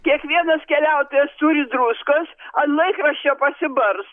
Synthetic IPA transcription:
kʲiɛkʋʲiɛnɐskʲɛlʲæˑʊt̪oːjɛst̪uːɾʲɪd̪ɾuskosɐnlˠɐɪkɾɐʃʲt͡ʃʲoːpɐsʲɪbɐɾs

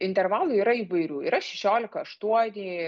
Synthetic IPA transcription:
ɪnʲt̪ʲɛrʋɑːlˠʊiːɾɐiːʋɐɪɾʲuːḭːɾɐʃʲɛʃʲoːlʲɪkɐɐʃt̪uɔnʲiː

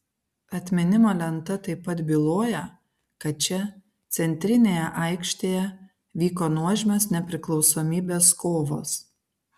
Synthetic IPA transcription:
ɐt̪ʲmʲɪnʲɪmoːlʲɛnt̪ɐt̪ɐɪpːɐt̪bʲɪlˠoːjɛ | kɐt̪̚t͡ʃʲɛ | t̪sʲɛnʲt̪ʲɾʲɪnʲeːjɛʔɐɪkʃʲt̪ʲeːjɛ | ʋʲiːkoːnuɔʒʲmʲɛsnʲɛpʲɾʲɪklˠɒʊsoːmʲiːbʲeːskoːʋo̰ːs

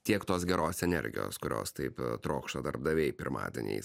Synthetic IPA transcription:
t̪ʲiɛkt̪oːs̬ɡʲɛɾoːsɛnʲɛ̰ɾʲɡʲɪ̰jo̰ːskʊɾʲo̰ːst̪ɐɪpt̪ɾoːkʃt̪od̪ɐɾb̚d̪ɐʋʲɛɪpʲɪɾmɑ̰ːd̪ʲɛ̰nʲɛ̰ɪ

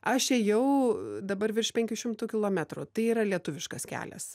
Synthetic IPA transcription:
ɐʃɛjɛʊd̪ɐbɐɾʋʲɪrʃpʲɛŋʲkʲʊʃʲɪmt̪uːkʲɪlˠoːmʲæt̪ɾʊt̪ɐɪiːɾɐlʲiɛt̪ʊʋʲɪʃkɐskʲæ̰ːlʲɛ̰s

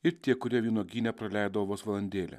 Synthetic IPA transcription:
ɪɾt̪ʲiɛkʊɾʲiɛʋʲiːɛnoːɡʲiːnʲɛpɾɐlʲæˑɪd̪ɐʋoːsʋɐlˠɐnʲd̪ʲeːlʲɛ̰

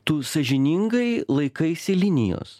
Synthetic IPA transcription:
t̪uːsɐʒʲɪnʲɪŋɡɐɪlˠɐɪkɐɪsʲɪlʲɪnʲɪ̰jo̰ːs

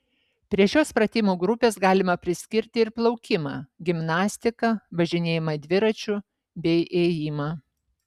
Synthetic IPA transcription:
pʲɾʲiɛʃʲoːspɾɐt̪ʲɪmoːɡɾʊpʲeːsɡɑːlʲɪmɐpʲɾʲɪsʲkʲɪɾʲt̪ʲɪɪɾplˠɐʊkʲɪmɑːɡʲɪmnɑːsʲt̪ʲɪkɐʋɐʒʲɪnʲeːjɪmɐd̪ʲʋʲɪɾɐt͡ʃʲʊ | bʲɛɪʔeːjiːmɑː

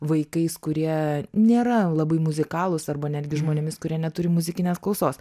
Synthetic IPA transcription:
ʋɐɪkɐɪskʊɾʲiɛnʲeːɾɐlˠɐbɐɪmʊzʲɪkɑːlˠʊsɐrbɐnʲæːd̪ʲɡʲɪʒmoːnʲemʲɪskʊɾʲiɛnʲɛt̪ʊɾʲɪmʊzʲɪkʲɪnʲeːsklˠɐlʊsoːs

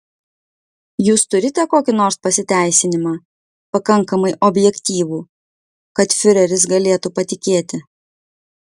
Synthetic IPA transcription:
juːst̪ʊɾʲɪt̪ʲɛkoːkʲɪnoːɾspɐsʲɪt̪ʲæˑɪsʲɪnʲɪmɑː | pɐkɐŋˑkɐmɐɪʔɔbʲjɛkʲt̪ʲiːʋuː | kɐt̪fʲɪɾʲɛɾʲɪs̬ɡɐlʲeːt̪upɐt̪ʲɪkʲeːt̪ʲɪ

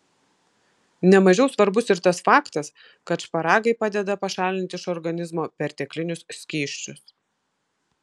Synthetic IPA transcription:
nʲɛmɐʒʲɛʊsʋɐɾbʊsɪɾt̪ɐsfɑːkt̪ɐs | kɐt̪ʃpɐɾɑːɡɐɪpɑːd̪ʲɛd̪ɐpɐʃɑːlʲɪnt̪ʲɪʃɔɾɡɐnʲɪzmoːpʲɛɾt̪ʲɛklʲɪnʲʊssʲkʲiːʃʲt͡ʃʲʊs

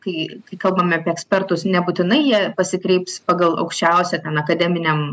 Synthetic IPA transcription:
kɐɪkɐɪkɐlˠbɐmʲɐpʲiɛɛksʲpʲɛrt̪ʊsnʲɛbuːt̪ʲɪnɐɪjiɛpɐsʲɪkɾʲɛɪpspɑːɡɐlˠɐ̰ʊkʃʲt͡ʃʲɛˑʊsʲɛt̪ʲɛnɐkɐd̪ʲɛmʲɪnʲɛm

